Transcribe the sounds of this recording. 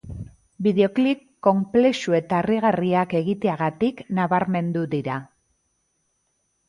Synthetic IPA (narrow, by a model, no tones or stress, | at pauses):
biðeo̞klikːo̞mple̞sue̞t̪aeriɣ̞ariake̞ɣit̪e̞aɣat̪iknaβaɾme̞nd̪uðiɾa